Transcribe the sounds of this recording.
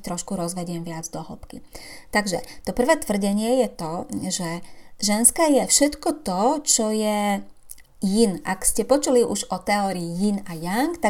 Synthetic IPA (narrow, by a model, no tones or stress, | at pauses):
t̪ɾɔʃkuɾɔzʋɛɟɪɛmʋɪad͡zd̪ɔɦlɔ̰pkḭt̪aɡʒɛ̰t̪ɔpr̩ʋɛːt̪ʋr̩ɟɛɲɪɛjɛt̪ɔʒɛʒɛnskɛjɛfʃɛt̪kɔt̪ɔt͡ʃɔjɛ | jinʔa̰kscɛpɔt͡ʃuliʔuʒɔt̪ɛɔːɾiːjinajaŋkt̪a